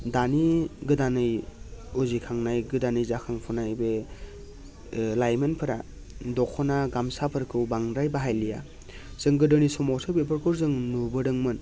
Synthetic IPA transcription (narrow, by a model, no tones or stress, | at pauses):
daniɡɯdanɯjozikʰaŋnajɡɯdanɯjzakʰaŋpʰunajbe | lajmenpʰɯɾa | dɔkʰɔnaɡamsapʰɯɾkʰɯwbaŋɾajbaɦajlija̰ | z̥ɯŋɡɯdɯnisɔmɔsʰɯbepʰɯɾkʰɯɾzɯŋnubɯdɯŋmɯn